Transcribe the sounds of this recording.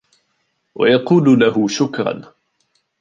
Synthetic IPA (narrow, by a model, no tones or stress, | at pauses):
wa̰jɑquːlʊlahʊʃʊkɾˤɑ̰n